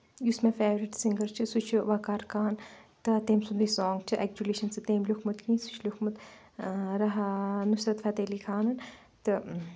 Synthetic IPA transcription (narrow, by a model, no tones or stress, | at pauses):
jusmẽfeːʋɾiʈsiŋɡɐɾt͡ʃʰɨsut͡ʃʰʋɐkaːɾkʰaːnt̪ɨt̪eːmsund̪isɔːŋɡt͡ʃʰɨʔɛk̚d͡ʒuleʃɐnsɨt̪eːmlukʰmut̪kʰĩːsu̥t͡ʃʰlukʰmut̪ | ɾɐɦnusɾɐt̪fʰɐt̪eːlikʰaːnɐn | t̪ɨ